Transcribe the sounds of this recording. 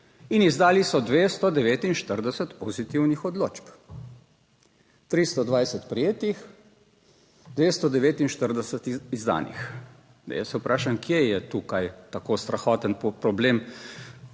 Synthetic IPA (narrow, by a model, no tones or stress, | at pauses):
inizd̪aːlisɔd̪ʋeːst̪ɔd̪ɛʋeːt̪inʃt̪əɾd̪ɛsət̪pɔzit̪iwnixɔd̪lo̰ːt͡ʃp | t̪ɾist̪ɔd̪ʋajsɛt̪pɾijeːt̪ix | d̪ʋeːst̪ɔd̪ɛʋeːt̪inʃt̪əɾd̪ɛsɛt̪izd̪a̰nḭx | ja̰sɛupɾʔaːʃamkʰjejɛt̪ukajt̪akost̪ɾaxɔːt̪ənpɾɔbleːm